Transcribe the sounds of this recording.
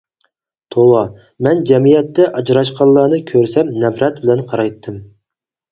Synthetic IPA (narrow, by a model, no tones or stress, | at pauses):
t̪ʰowˠɑ | mɛnd͡ʒɛmijɛt̪ːɛʔɑd͡ʒɾɑʃqʰɑllˠːɑːnɨkʲʰøɾsɛmnɛbɾɛt̪̚bɪlɛnqʰɑɾɑjt̪ʰːɨm